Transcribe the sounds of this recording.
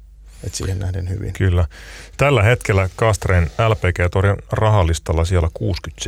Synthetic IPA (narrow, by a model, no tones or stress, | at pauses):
et̪sḭːhennæhdenhyʋḭnkylːæ | t̪ælːæhe̞t̪kelːækɑst̪reːnælpeːkeːt̪olirɑɦɑlːist̪ɑlːɑsielːækuːskyt̪s